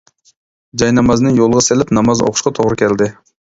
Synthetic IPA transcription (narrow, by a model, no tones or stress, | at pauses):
d͡ʒɑjnɑmɑznɨŋjolˠəʁɑselɪpnɑmɑzo̰qʰʊ̥ʃqɑt̪ʰoʁɾɨkʲʰɛld̪ɪ